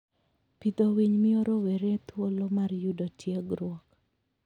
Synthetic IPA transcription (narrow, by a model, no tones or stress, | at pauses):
pid̪owiɲmɪoɾɔweɾet̪wolomarjudotʰjeɡɾwɔk